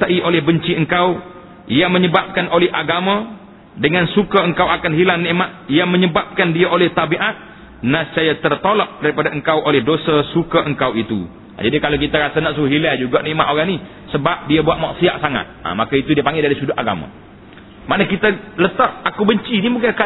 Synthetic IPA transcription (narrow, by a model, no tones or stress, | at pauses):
t̪aʔiʔolɛhbəɲt͡ʃiəŋkaw | ijaməɲəbap̚kanʔolɛɦʔaɡamã | dəŋansukaəŋkawakanɦilaŋniʔmaʔ̪̚ijaməɲəbap̚kandiaʔolɛht̪abiʔat̪̚ | nat͡ʃajat̪ərt̪olɔʔ̚daɾipadaʔəŋkawʔolɛhdosasukaʔəŋkawit̪u | a̰d͡ʒadikalawkit̪aɾasanaʔsuɦilɛd͡ʒuɡaʔniʔmaʔ̪oɣani | səbap̚diabuat̪̚maʔsia̰ʔ̚saŋa̰t̪̚a̰makait̪udiapaŋɡɪldaɾisudʊʔaɡa̰mã̰ | maʔnakit̪alət̪aʔ̚akubəɲt͡ʃinimukaka